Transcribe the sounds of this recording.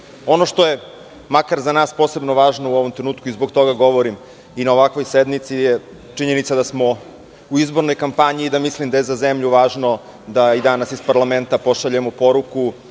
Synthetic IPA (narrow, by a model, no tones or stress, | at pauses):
o̞noʃt̪o̞je | makaɾzanaːspose̞bnoʋaːʒnouoʋomt̪ɾenuːt̪kuizboɡt̪o̞ɡaɡo̞ʋoɾim | inaoʋakʋo̞jsed̪mit̪sije | t͡ʂiɲe̞nit̪sad̪asmo̞ | uizboɾno̞jkampaɲiːd̪amislimd̪ajezazemʎuʋaːʒno̞ | d̪aid̪anasispaɾlˠament̪apoʃaʎemopo̞ɾuku